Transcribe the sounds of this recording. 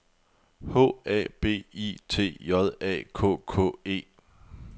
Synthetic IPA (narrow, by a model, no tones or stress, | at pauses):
hɔ̰æb̥e̝̰ːḭt͡sʰe̝̰ːjɒðˠɛ̰ːkʰɔ̰̽ːkʰɔ̰̽ːe̝̰ː